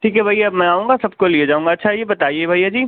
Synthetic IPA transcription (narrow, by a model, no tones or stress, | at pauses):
ʈʰiːkɦɛbʱaiɐbmɛ̃aːũːŋɡasɐb̚kolied͡ʒaːũŋɡaɐtːʃʰajebɐt̪aːiebʱaːjad͡ʒiː